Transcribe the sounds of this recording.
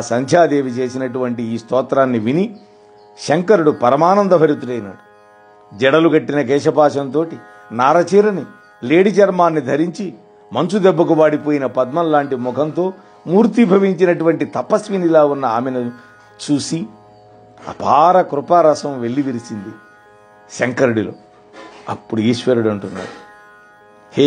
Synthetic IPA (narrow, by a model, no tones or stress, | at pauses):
sɐŋd͡ʒʰʱjaːd̪eːʋit͡ʃe̞ːsinɐʈuʋɐɳʈiːst̪ɔːt̪ɾaːnːiʋini | ʃeŋkɐɾuɽupɐɾɐmaːnɐnd̪ɐbʱɐɾit̪ːuʈɐjnɐ̰ɽu̥ | d͡ʒɛɽɐlukɐʈːinɐk̬ɛːʂɐpaːʂɐnt̪o̞ːʈi | naːɾɐt͡ʃiːɾɐni | leːɽit͡ʃɐɾmaːnːid̪ʱɐɾiɲt͡ʃi | mɐnsud̪ɛbːɐkuʋaːɽipoːjinɐpɐd̪̚mɐnlaːɳʈimɔkʰɐnt̪o̞ː | muːɾt̪ibʱɐʋiɲt͡ʃinɐʈuʋɐɳʈit̪ɐpɐsʋinilaːunːɐaːmenɐ | t͡ʃuːsi | a̰pʰaːɾɐkɾupaɾɐsɐmʋelːiʋiɾisind̪i | ʃɐŋkɐɾɐɽilo̰ː | ɐpːuɽuiːʃʋeɾuɽɐɳʈunːa̰ːɽu | he